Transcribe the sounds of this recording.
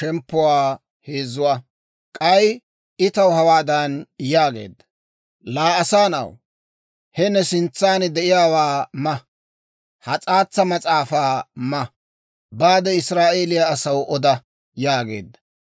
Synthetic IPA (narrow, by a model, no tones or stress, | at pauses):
ʃɛmpːʊwaː | he̞ːzːʊwaː | kʼɐj | ɪt̪ɐwhɐwaːd̪ɐnjaːɡe̞̰ːd̪ːɐ̥ | laːɐsaːnɐ̰w | hɛnːɛsɪnt͡sːaːnd̪ɛʔɪjaːwaːmɐ | hɐt͡sʼaːt͡sːɐmɐt͡sʼaːfaːmɐ | baːd̪ɛɪsɾaːʔe̞ːlɪjaːsɐwʔɔd̪ɐ | jaːɡe̞̰ːd̪ːɐ̥